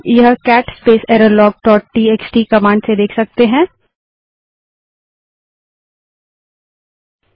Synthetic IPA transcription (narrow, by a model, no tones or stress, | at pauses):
jɐɦkɛːʈspeːsɛːɾəlɔːɡ̚ʈɔːʈʈieːksʈiːkɐmãːɳɖsed̪eːkʰsɐk̚t̪eɦɛ̃ː